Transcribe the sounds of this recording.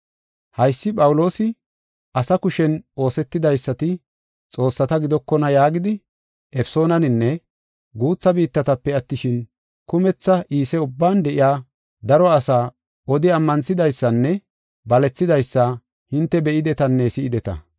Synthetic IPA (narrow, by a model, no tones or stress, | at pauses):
hɐjsːɪpʼɐwʊlo̞ːsɪ | ʔɐsɐkʊʃɛno̞ːsɛt̪ːɪd̪ɐjsːɐt̪ɪ | t͡sʼo̞ːsːɐt̪ɐɡɪd̪ɔkːɔnɐjaːɡɪd̪ɪ | ʔɛfso̞ːnɐnɪnːɛ | ɡuːt͡sːɐbiːt̪ːɐt̪ɐpːɛɐt̪ːɪʃɪn | kʊmɛt͡sːɐʔiːsɛʊbːaːnd̪ɛʔɪjaː | d̪ɐɾɔɐsaː | ʔɔd̪ɪɐmːɐnsɪd̪ɐjsːɐnːɛ | bɐlɛt͡sːɪd̪ɐjsːɐ | hɪnt̪ːɛbɛʔɪd̪ɛt̪ɐnːɛsɪɪd̪ɛt̪ɐ̰